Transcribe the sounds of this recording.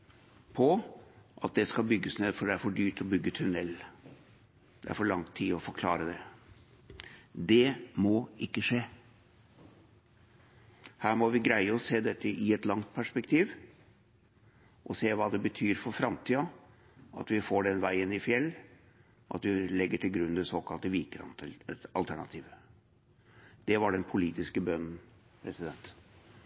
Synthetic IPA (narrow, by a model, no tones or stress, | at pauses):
pʰɔʔɑt̪̚d̪ɛskɑbʏɡːəsnɛd̪fɔɖɛæɾfɔɖyːʈ̪ɔbʏɡːət̪ʰʉnɛlː | d̪̥ɛæ̰ɾfɔɭɑŋt̪ʰiːɔfɔɾkʰlɑːɾəd̪ɛ | d̪ɛmoːɪkːəʂeː | hæːɾmɔʋɪɡɾæɪəɔseːd̪ɛt̪ːəʔɪɛt̪lɑŋt̪̚pʰæʂpɛkt̪ʰiːʋ | ʔɔseːʋɑːd̪ɛbət̪ʰyːɾfɔɾfɾɑmt̪ʰiːɑ | ʔɑ̰t̪ʋɪfoːɖɛnʋæɪənɪfjɛlː | ʔɑ̰t̪ʋɪlɛɡːəʈʰɪlɡɾʉnːd̪ɛsoːkɑlt̪əʋiːkɾɑ̰ɑ̰lt̪ʰæɳɑ̰t̪ʰiːʋə | d̪̥ɛʋɑɖɛnpʰʊliːt̪ɪskəbœnn̩ | pʰɾɛsɪd̪ɛnt̪